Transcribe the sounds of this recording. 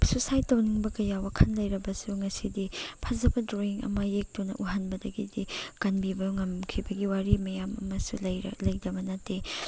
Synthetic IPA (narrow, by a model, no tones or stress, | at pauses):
susajtɐwniŋbɐkɐjawɐkʰɐnlɐjɾɐbɐsuŋɐsidipʰɐzɐbɐdɾoiŋɐ̰mɐjek̚tonɐ̰ʔuɦanbɐdɐɡidikɐnbibɐŋɐmkʰibɐɡiwaɾimɐjamɐ̰mɐsulj̰lɐjdɐbɐnatːi